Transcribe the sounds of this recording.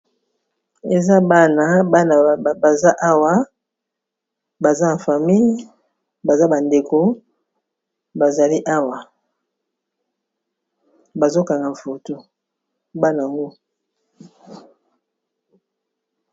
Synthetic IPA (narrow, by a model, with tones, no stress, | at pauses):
e˨za˦ba˦na˨ba˦na˨ba˨za˦ʔa˦wa˨ | ba˨za˦na˨fa˨mi˦j | ba˨za˦ba˨nde˨ko˨ | ba˨za˨li˦ʔa˦wa˨ | ba˨zo˦ka˨ŋɡa˨ɱ̩˨fo˨to˦ | ba˦na˨ŋɡo˦